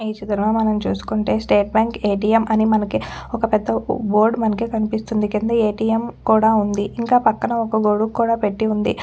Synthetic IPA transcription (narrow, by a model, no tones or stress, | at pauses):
iːt͡ʃɐd̪ɐɾɐmaːmɐnɐmt͡ʃuːsu̥kuɳʈe̞ːsʈe̞ːʈ̚baːŋkeːʈ̬iːjemʔɐnimɐnɐkiɔkɐpɛd̪ːɐbo̞ːɾɖmɐnɐkikɐnipist̪und̪ikind̪ɐeːʈiːjemkuːɽaːund̪iʔiŋkaːpɐkːɐnɐɔkɐɡoɽukkːuːɽaːpeʈːiund̪ḭ